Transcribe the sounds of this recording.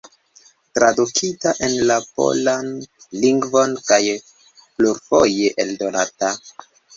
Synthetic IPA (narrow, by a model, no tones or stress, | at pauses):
tɾadukʰitaʔe̞nlapo̞̰lanliŋɡvo̞nkaj | pluɾfo̞je̞ʔeldo̞nata